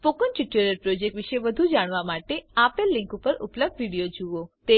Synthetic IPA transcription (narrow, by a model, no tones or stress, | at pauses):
fokənt͡ʃiʈuɾəɾpɾod͡ʒek̚ʈʋiʃeʋəd̪ʱud͡ʒaɽ̃ʋamaʈeapelːɪ̃ŋkupəɾṵpləb̚d̪ʋiɽijod͡ʒuot̪e